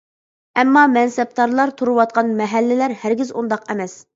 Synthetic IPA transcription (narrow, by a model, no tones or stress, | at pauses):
ɛmːɑmɛnsɛp̚t̪ɑɾlˠɑɾt̪ʰuɾuwɑt̪̚qʰɑnmɛɦælːɪlæɾhæɾɡʲɪzṵnd̪ɑqɛmɛs